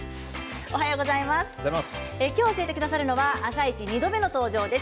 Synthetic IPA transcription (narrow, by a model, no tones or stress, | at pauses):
o̞ɦajo̞ːɡo̞zaimasɨ̥aɾimas | ekʲo̞ːɕie̞t̪e̞kɯ̟d̪asaɾɯ̟no̞βaːsait͡ɕiɲ̟id̪o̞be̞no̞t̪o̞ːʑo̞ːd̪e̞s